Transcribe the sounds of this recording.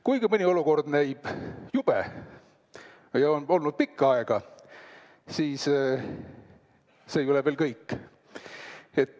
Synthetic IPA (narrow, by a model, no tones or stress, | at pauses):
kujɡimɨnʲio̞luko̞rd̪næjb̥jub̥ḛ | jɑo̞no̞lnud̪̚pikːɑɑeɡ̥ɑ | siːs | se̞ːjolevelkɤjkˑː | e̞t̪ːˑ